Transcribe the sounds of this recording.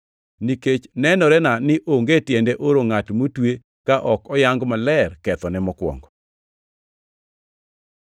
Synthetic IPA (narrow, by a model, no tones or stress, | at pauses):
niket͡ʃnɛnɔɾɛnanɪʔoŋɡetjendeʔoɾoŋatmotwe | kaʔɔkɔjaŋɡmalɛrkɛt̪ɔnɛmɔkwɔ̰ŋɡɔ